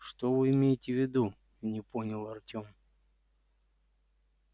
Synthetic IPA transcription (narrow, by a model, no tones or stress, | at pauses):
ʂt̪ovɨɪmʲejɪtʲɪvʲɪd̪u | nʲɪpʰo̞nʲɪlˠɐrtʲo̞m